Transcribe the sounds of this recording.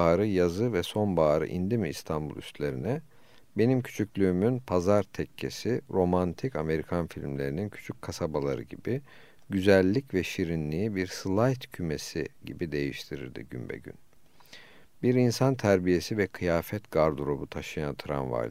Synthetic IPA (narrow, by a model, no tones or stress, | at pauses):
aːɾɯjazɯvɛso̞nbaːɾɯ̰ʔind̪imiḭst̪ʰanbṵlˠy̰st̪lʲe̞ɾinɛ | be̞nimcʰy̥t͡ʃʰycʲlʲyːmynpʰazaɾt̪ʰɛcʰːe̞̰siɾo̞mant̪ʰikame̞ɾikʰanfilʲmlʲe̞̰ɾinincʰy̥t͡ʃʰyckʰasabalˠa̰ɾɯ̰ɟibi | ɟyzælʲːicvɛʃiɾinlʲiibiɾslˠajt̪cʰyme̞siɟḭbid̪e̞jiʃt̪ʰiɾḭɾd̪ḭɟymbɛ̰ɟy̰n | biɾinsant̪ʰæɾbije̞sivɛkʰɯjaːfɛt̪ɡaɾd̪uɾo̞but̪ʰaʃɯjant̪ʰɾa̰nva̰j̪